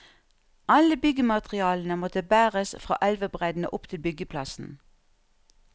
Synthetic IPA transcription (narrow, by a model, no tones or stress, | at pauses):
ʔɑləbʏɡəmɑt̪ʁɪɑːln̩əmɔt̪əbæːʁəsfʁɑ̰ːʔɛlʋəbʁæd̪n̩ə̰ʔʊpt̪ʰɪlbʏɡəpʰlɑsn̩